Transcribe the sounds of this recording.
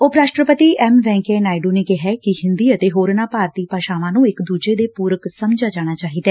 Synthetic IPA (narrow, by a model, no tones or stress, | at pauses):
oːpɾaːʃʈɾəpət̪iːʔɛːmʋɛ̃ːŋkɛːnaːiɖuːneːkɪɦɛːkɪhɪnd̪iːət̪eːɦoːɾnãːpaːɾt̪iːpaːʃaːʋãːnũːɪkd̪uːd͡ʒeːd̪eːpuːɾəksəmd͡ʒaːd͡ʒaːɽ̃aːt͡ʃaːɦiːd̪ɛː